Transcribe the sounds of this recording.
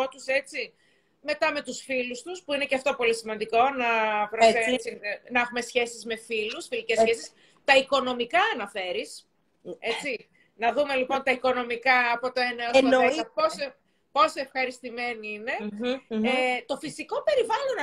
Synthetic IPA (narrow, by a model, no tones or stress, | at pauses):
ot̪use̞t͡si | me̞t̪ɐme̞t̪usfilust̪uspuine̞ceɐft̪o̞po̞lisimɐnd̪iko̞nɐpɾosesinɐexume̞sçe̞sizme̞filusfilicesːçesis | t̪ɐiko̞no̞mikɐːnɐfe̞ɾis | e̞t͡si | nɐðume̞lipo̞nt̪ɐiko̞no̞mikɐːpo̞t̪o̞eneosɐeɐposo | po̞soefxɐɾist̪ime̞niine̞ | et̪o̞fisiko̞pe̞ɾivɐlo̞n